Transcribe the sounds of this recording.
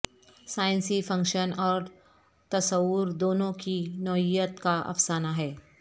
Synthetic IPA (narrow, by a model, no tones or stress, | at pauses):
saːɪ̃nsifɐ̃ŋkʃənɔːɾ | t̪ɐsəwʊɾd̪oːnõkinɔɪjət̪kaʔɐ̰fsaːnaɦɛː